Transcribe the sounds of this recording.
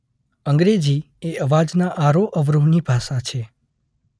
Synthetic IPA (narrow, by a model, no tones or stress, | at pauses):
əŋɡɾed͡ʒi | eəʋad͡ʒnaʔaɾoʔəʋɾuʋnibʱaʃat͡ʃʰe